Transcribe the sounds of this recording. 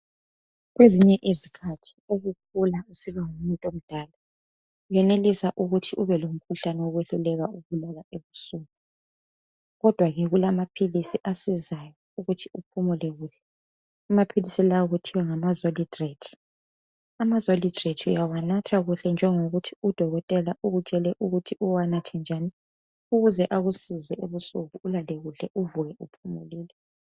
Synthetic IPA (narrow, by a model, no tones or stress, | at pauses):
ɣweziɲɛʔizikʰatʰi̥oɣuk̚ʰulausiβaŋumuntʼom̩d̥ʱaːla | jɛnelisaʔuɣutʰiʔuβɛlom̩kʰuɬanɛwoɣweɬulɛɣauɣulalaeβusuɣu | ɣɔd̥ʱwaɣɛɣulamapʰilisiʔasizajɔ | uɣutʰiupʰumɔlɛɣuːɬɛ | amapʰilisilawɔɣutʰiwaŋamazolidretʰi̥ | amazolidretʰijawanatʰaɣuɬɛnd͡ʒʱɛŋoɣutʰiud̥ʱɔɣɔtʼɛlaʔuɣut͡ʃʼɛlɛʔuɣutʰiʔuwanatʰɛnd͡ʒʱani | uɣuzɛʔaɣusizɛeβusuɣuːlaleɣuɬɛʔuvuɣɛupʰumṵliːlɛ